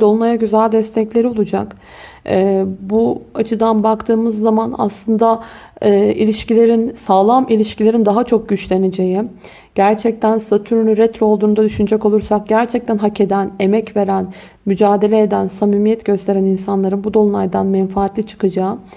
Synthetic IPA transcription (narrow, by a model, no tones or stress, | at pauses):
d̪o̞lˠunajaɟyzælʲd̪ɛst̪ʰɛclʲe̞ɾio̞lˠud͡ʒa̰kː | buat͡ʃʰɯd̪anbakt̪ʰɯːmɯzːamana̰slˠɯnd̪aɯːilʲiʃcilʲe̞ɾinsaːlˠamilʲiʃcilʲe̞ɾind̪aɦat͡ʃʰo̞k̚ɟyt͡ʃlʲe̞ned͡ʒe̞ji | ɟ̥æɾt͡ʃʰɛc̚t̪ʰænsat̪ʰyɾynyɾɛt̪ɾo̞lˠd̪uːnd̪ad̪yʃynyd͡ʒɛko̞lˠuɾsak̚ɟæɾt͡ʃʰɛc̚t̪ʰænɦacʰe̞d̪æne̞mɛcve̞ɾæn | myd͡ʒaːd̪e̞lʲeːd̪ænsamiːmijɛt̪ɟ̥ø̞st̪ʰe̞ɾæninsanlˠaɾɯnbud̪o̞lˠunajd̪anmɛnfaːt̪lʲit͡ʃʰɯ̥kɯd͡ʒaːɯ